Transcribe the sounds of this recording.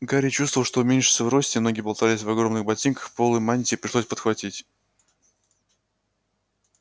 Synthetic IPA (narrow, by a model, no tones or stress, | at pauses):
ɡaɾʲɪt͡ɕust̪vəvlˠʂt̪o̞ʊmʲenʲʂɨ̥səvro̞sʲtʲɪmno̞ɡʲɪjbɐlˠt̪alʲɪsʲvɐɡɾo̞mnɨxbɐtʲinkə̥xpo̞lˠɨjmanʲtʲɪpɾʲɪʂlˠo̞sʲpət̪xvɐtʲitʲ